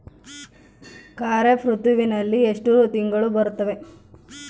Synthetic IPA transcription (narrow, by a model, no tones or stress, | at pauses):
kaːɾepʰɾut̪uʋinɐlːieʂʈut̪iŋɡɐɭubɐɾut̪ːɐʋe̞